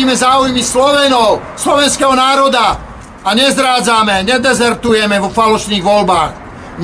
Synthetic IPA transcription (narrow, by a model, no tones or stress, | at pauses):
iːmɛzaːujmislɔʋɛnɔʊslɔʋɛnskɛɦɔnaːɾɔd̪a | aɲɛzd̪ɾaːd͡zamɛɲɛd̪ɛzɛɾt̪ujɛmɛʋɔfalɔʃniːɣʋɔlbaːɣ | ɲ